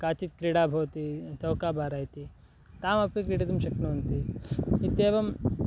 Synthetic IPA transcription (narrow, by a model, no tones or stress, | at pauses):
kaːt͡ʃ̪it̪̚kɾiːɽaːbʱɐwt̪it̪ɐwkaːbʱaːɾaːjit̪i | t̪aːmɐpikɾiːʈɐt̪ɐmʃɐknuɐnt̪iit̪eːʋɐm